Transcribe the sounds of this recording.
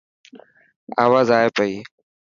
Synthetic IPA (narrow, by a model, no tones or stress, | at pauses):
a̰ːʋaːzaːepəiː